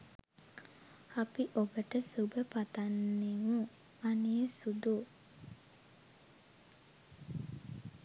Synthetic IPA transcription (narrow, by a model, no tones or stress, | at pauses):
apiʔobəʈəsubəpat̪anːeʋu | anijəsud̪u